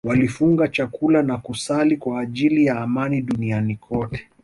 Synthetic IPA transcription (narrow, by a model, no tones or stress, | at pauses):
walifuŋɡat͡ʃakulanakusalikwaːʄilijaːmaniɗunianikʰɔtɛ̥